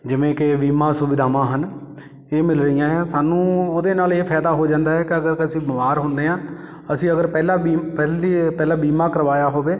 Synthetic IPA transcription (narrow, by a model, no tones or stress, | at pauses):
d͡ʒɪʋẽːkɪbiːmãːsʊbɪd̪ʱaːʋãːɦən | eːmɪlɾəijãːɛ̃saːnũːoːd̪eːnaːleːpʰɛːd̪aːɦoːd͡ʒãːnd̪aːɦɛːkɪəɡəɾkɪəsĩːbəmaːɾɦʊ̃nd̪eːɦãː | əsĩːəɡəɾpɛːlaːbiːpɛːlipɛːlãːbiːmãːkəɾʋaːjaːɦoːbeː